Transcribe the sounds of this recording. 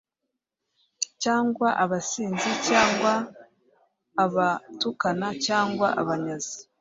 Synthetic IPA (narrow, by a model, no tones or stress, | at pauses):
caːŋɡwaʔaβasiːnzicaːŋɡwa | βatukanacaːŋɡwaʔaβaɲazi